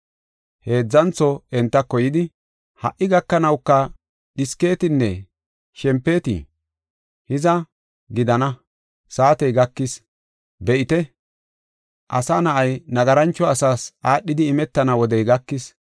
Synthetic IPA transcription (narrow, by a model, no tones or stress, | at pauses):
he̞ːd͡zːɐnt͡sɔɛnt̪ːɐkɔjɪd̪ɪ | hɐ̰ʔːɪɡɐkːɐnɐwkːɐ | ɗɪske̞ːt̪ɪnːɛ | ʃɛmpːe̞ːt̪ḭ | hɪzɐ | ɡɪd̪ɐnɐ | saːt̪ɛjɡɐkːɪs | bɛʔɪt̪ɛ | ʔɐsanɐʔɐjnɐɡɐɾɐnt͡ʃːɔɐsaːsʔaːɗːɪd̪ɪːmɛt̪ːɐnɐwɔd̪ɛjɡɐkːɪs